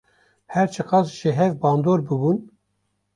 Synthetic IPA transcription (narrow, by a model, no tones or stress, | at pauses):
hɛɾt͡ʃʰɨqɑzʒeɦɛvbɑːnd̪oːɾbɨbun